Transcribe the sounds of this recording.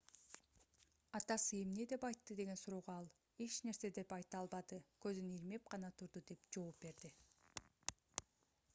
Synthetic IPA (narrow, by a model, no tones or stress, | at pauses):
ɑt̪ɑsɯemne̞d̪e̞pɑjt̪ːɯd̪e̞ɡe̞nsuɾoːʁoɑlˠ | e̞t͡ʃne̞ɾse̞d̪e̞pɑjt̪ɑlˠbɑd̪ɯkø̞zyniɾme̞p̚qɑnɑt̪ʰuɾd̪ud̪e̞pd͡ʒo̞ːp̚be̞ɾd̪i